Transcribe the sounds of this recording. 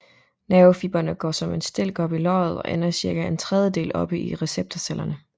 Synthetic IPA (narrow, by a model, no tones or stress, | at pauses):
nɛʊfib̥ɐnəɡ̥ɒ̰ːsɒ̽me̝nsd̥e̝l̰ɡ̥ɒ̽b̥ilɒ̰ːðð̞̩ˠɒ̽ʔenɐsiɐɡ̥æent͡sʰʁɛð̞ˠjəd̥e̝̰ːlɒ̽b̥əiʁɛseb̥̚t͡sʰɐselʔɐnə